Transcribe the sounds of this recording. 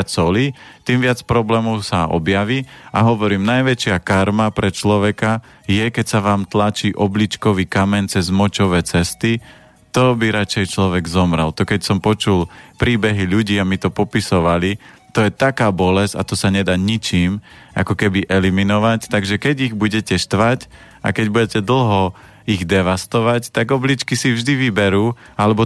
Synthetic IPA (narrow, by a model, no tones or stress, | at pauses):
t͡sɔli | t̪iːmʋɪat͡spɾɔblɛːmɔʊsaʔɔ̰bjaʋiːa̰ɦɔʋɔɾiːmnajʋɛt͡ʃɪakaɾmapɾɛt͡ʃlɔʋɛka | jɛkɛcsaʋaːmt̪lat͡ʃiːʔɔblit͡ʃkɔʋiːkamɛɲt͡sɛzmɔt͡ʃɔʋɛːt͡sɛst̪i | t̪ɔbiɾat͡ʃɛjt͡ʃlɔʋɛɡzɔmɾalt̪ɔkɛcsɔmpɔt͡ʃulpɾiːbɛɦiʎuɟiːamit̪ɔpɔpisɔʋali | t̪ɔjɛt̪akaːbɔlɛza̰t̪ɔsaɲɛd̪aːɲit͡ʃiːm | ʔa̰kɔkɛbiʔɛliminɔʋact̪aɡʒɛkɛɟiɣbuɟɛcɛʃt̪ʋac | a̰kɛɟbuɟɛcɛd̪l̩ˠɦɔ | iɣd̪ɛʋast̪ɔʋact̪aɡɔblit͡ʃkisivʒd̪iʋibɛɾuː | alɛbɔ